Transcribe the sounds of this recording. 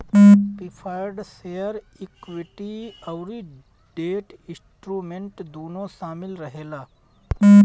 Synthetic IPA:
pipʰaːjɾɖsejəɾikʋɪʈiɐʊɾi | ɖeːʈɪ̃sʈɾuːmẽɳʈd̪oːnosaːmɪlɾəɦeːlaː

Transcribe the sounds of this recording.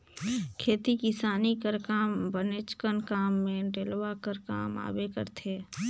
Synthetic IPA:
kʰeːt̪ikɪsaːnikəɾkaːmbənet͡ʃkənkaːmːẽɖeːlʋakəɾka̰ːma̰ːbekə̰ɾt̪ʰeː

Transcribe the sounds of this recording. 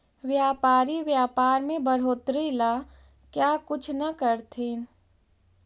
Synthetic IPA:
ʋjaːpaːɾiʋjaːpaːɾmẽbəɽ̤oːt̪ɾila | kjaːkʊt͡ʃʰnɐkəɾt̪ʰiːn

